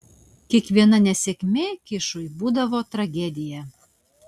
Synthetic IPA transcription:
kʲekʋʲiɛnɐnʲɛsʲekmʲeːkʲɪʃujbud̪ɐʋot̪ɾɐɡʲæd̪ʲɪjæ

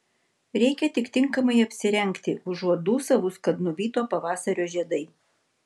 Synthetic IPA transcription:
ɾʲɛɪkʲɛt̪ʲɪkt̪ʲɪŋkɐmɐɪɐpʲsʲɪɾʲɛŋʲˑkt̪ʲɪʊʒuɔd̪uːsɐʋʊskɐt̪nʊʋʲiːt̪oːpɐʋɑːsɐɾʲoːʒʲiɛd̪ɐɪ

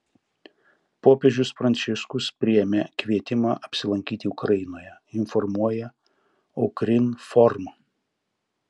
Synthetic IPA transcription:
poːpʲeʒʲd͡ʒʲʊsfɾɐnʲt̪sʲɪskʊspʲɾʲɪjɛmʲeːkʋʲiɛt̪ʲɪmɑːʔɐpʲsʲɪlˠɐŋʲkʲiːt̪ʲɪʊkɾɐjɪnoːjɛɪnfɔɾmuɔjɛ | ɔʊkɾʲɪnfɔɾm

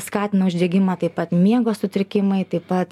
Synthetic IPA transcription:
skɑːt̪ʲɪnɐʊʒʲd̪ʲɛɡʲɪmɑːt̪ɐɪpɐt̪mʲiɛɡoːsʊt̪ʲɾʲɪkʲɪmɐɪt̪ɐɪpɐt̪

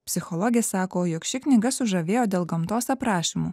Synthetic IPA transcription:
pʲsʲɪxɔlˠɔːɡʲɛssɑːkoːjɔkʃʲɪknʲɪɡɐsʊʒɐʋʲeːjoːd̪ʲeːlˠɡɐmt̪oːsɐpɾɑːʃʲimuː

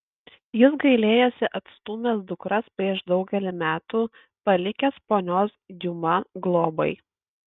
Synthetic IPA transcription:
jɪsɡɐɪlʲeːjɛsʲɪʔɐt̪st̪uːmʲeːs̬d̪ʊkɾɐspʲɾʲiɛʃd̪ɒʊɡʲɛlʲɪmʲæːt̪uː | pɐlʲɪkʲɛspoːnʲoːsɡʲʊmɐɡlˠoːbɐɪ

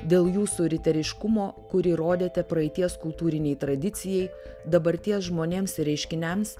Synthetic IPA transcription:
d̪ʲeːlˠjuːsuːɾʲɪt̪ʲɛɾʲɪʃkʊmoːkʊɾʲiːɾoːd̪ʲeːt̪ʲɛpɾɐɛɪt̪ʲiɛskʊlˠt̪uːɾʲɪnʲɛɪt̪ɾɐd̪ʲɪt̪sʲɪjɛɪ | d̪ɐbɐɾʲt̪ʲiɛsʒmoːnʲeːmsɾʲɛɪʃʲkʲɪnʲɛms

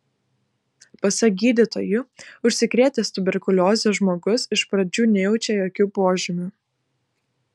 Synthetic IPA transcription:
pɐsɐɡʲiːd̪ʲit̪o̰ːjʊʊʃʲsʲɪkɾʲeːt̪ʲest̪ʊbʲɛɾkʊlʲoːzʲɛʒmoːɡʊsɪʃpɾɐd͡ʒʲuːnʲɛjɛʊt͡ʃʲɛjoːkʲuːpoːʒʲʊmʲʊ

